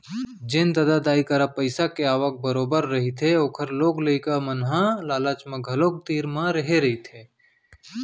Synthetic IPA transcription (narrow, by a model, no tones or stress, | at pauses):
d͡ʒɪnd̪əd̪ad̪aːikəɾapəɪsakeaːʋək̚bəɾoːbəɾːɐɦit̪ʰeoːkʰəɾloːɡləikamənɦãlaːlaːt͡ʃmə̃ɡʱɐloːk̚t̪iːɾmãɾəɦeɾɐɦit̪ʰeː